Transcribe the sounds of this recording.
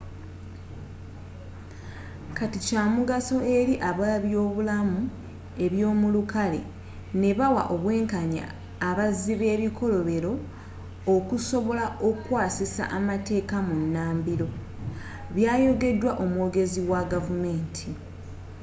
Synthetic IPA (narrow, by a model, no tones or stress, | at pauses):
katicaːmuɡaso̞e̞ɾiʔaβaβjo̞ːβulamu | e̞βjo̞ːmulukale̞̰ | ne̞βawa̰ʔo̞βwe̞ːŋkaɲa̰ː | βaziβe̞ːβikʰo̞lo̞βe̞ɾo̞ː | kuso̞βo̞lao̞kwaːsisa̰ʔamate̞ːkamunːaːmbiɾo̞ | βjaːjo̞ɡe̞dwaʔo̞mwo̞ɡe̞ziwaɡavume̞ːntʰi